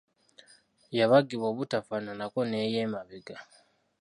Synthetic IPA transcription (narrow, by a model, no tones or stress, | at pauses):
jaβaɡiβoːβutafananako̞neːjeːmaβiɡa